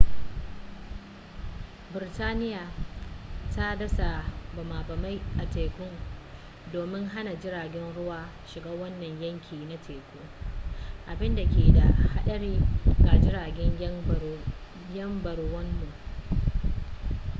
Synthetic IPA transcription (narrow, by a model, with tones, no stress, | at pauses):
bɪ˨ɾɪ˨taː˦nɪ˦jaː˨ | ta˦dɐ˦sa˨bɐ˨maː˨bɐ˨ma˦jʔa˨teː˨kʷʊ˦ŋ | doː˨mɪ˦ŋɦa˦na˨d͡ʒɪ˦ɾaː˨ɡʲɛ˦nɽʊ˦waː˦ | ʃɪ˨ɡaː˦wɐ˦nːɐ˨ɲjɐ˦ŋkʲʰiː˨na˦tʰeː˨kʷoː˦ | ʔa˨bɪ˦nda˨kʲeː˨da˨ha˦ɗɐ˦ɽiː˦ɡa˨d͡ʒɪ˦ɾaː˨ɡʲɛ˦ɲ | jɐ˦mbɐ˨ɽwɐ˦mːu˨ʔ